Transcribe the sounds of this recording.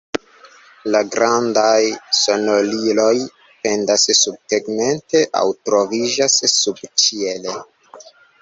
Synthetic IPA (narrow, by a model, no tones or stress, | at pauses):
laɡɾandajso̞nolilo̞j | pe̞ndassub̚teɡme̞nte̞ʔa̰wtɾo̞vid͡ʒasːubt͡ʃiele